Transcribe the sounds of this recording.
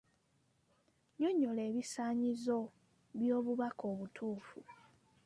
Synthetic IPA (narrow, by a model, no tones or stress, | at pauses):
ɲo̞ɲːo̞le̞ːβisaːɲizo̞ | βjo̞ːβuβako̞ːβutʰuːfu